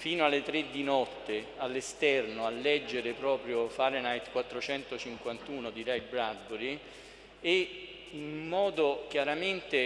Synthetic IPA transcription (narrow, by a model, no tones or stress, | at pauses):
fiːnoalːet̪ɾed̪ːinɔt̪ːe | alːest̪ɛrnoalːɛd͡ʒːeɾepɾɔːpɾjofaːɾenajt̪kwat̪ːɾot͡ʃɛnt̪ot͡ʃiŋkwant̪uːnod̪iɾɛjbɾad̪ːoɾi | e | immːɔːd̪okjaɾament̪e